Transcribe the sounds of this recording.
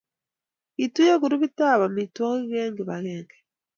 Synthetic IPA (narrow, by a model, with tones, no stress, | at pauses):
itu˦je˦ɣu˨ɾu˦βi˦ta˦βa˨mi˨twɔ˦ɣiɣeːŋɡiβaɣeːŋɡe̥